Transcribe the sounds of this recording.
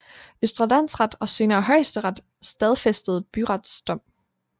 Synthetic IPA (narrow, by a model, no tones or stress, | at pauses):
øsd̥ʁɐd̥æn̰sʁɑd̥ɒ̽se̝ːnɐːɦɒ̽ɪ̰sd̥əʁɑd̥ | sd̥ɛð̞ˠfesd̥əð̩ˠb̥yʁɑd̥sd̥ɒ̽m̰